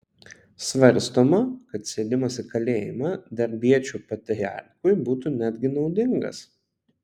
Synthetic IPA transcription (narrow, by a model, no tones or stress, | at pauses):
sʋɐɾʲˑst̪oːmɐkɐt̪sʲeːd̪ʲɪmɐsɪkɐlʲeːjɪ̰mɑd̪ɐɾʲbʲiɛt͡ʃʲuːpɐt̪ʲɾʲɾʲɪɑ̰ːˑɾkʊɪbuːt̪unʲæd̪ʲɡʲɪnɒʊd̪ʲɪŋɡɐ̰s